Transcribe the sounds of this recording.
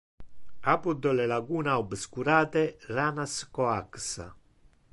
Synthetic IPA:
apud̪ɔlelaɡuːnaubskuɾaːt̪eraːnaskɔaksa̰

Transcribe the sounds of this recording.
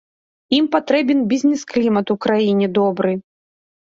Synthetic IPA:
impat̪ɾɛbʲɛnbʲizʲnʲɛsklʲimɐt̪ukɾajinʲɛd̪ɔbɾɨ

